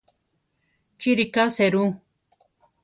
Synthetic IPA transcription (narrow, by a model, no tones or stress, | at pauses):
t͡ʃiɾikaseɾu